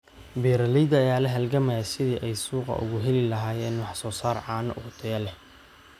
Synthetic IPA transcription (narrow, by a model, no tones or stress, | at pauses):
bɛːɾɐlɪjd̪ɐjaːlɛɦɐlɡɐmɐɐsɪðiːʔɛjsuːqɐ̰ʔʊ̰ɣʊɦɛlɪlɐɦaːjɛːnwɑħsɔːsaːrʕɑːnɐʔʊt̪ʰɐjɐlɛh